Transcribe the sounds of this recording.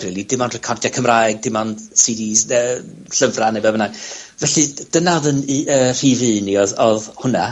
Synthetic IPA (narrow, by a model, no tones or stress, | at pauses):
rilˠidɪmɔnrɛkʰɔrdjakʰəmrajɡ̚dɪmɔnsidiəː | ɬəvranɛbɛvənavɛɬɨd̥ənaðəniʔəːr̥ivɨniɔðɔðhʊna